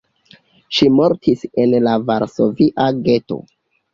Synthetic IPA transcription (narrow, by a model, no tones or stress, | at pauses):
ʃimoɾtʰise̞nlavaɾso̞viʔaɡe̞to̞̰